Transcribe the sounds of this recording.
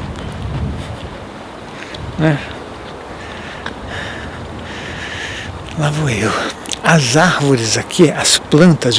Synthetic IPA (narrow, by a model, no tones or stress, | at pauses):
nɛ | lavoewɐzaɾvoɾɪzakʰiɐsplɐ̃nt̪ɐz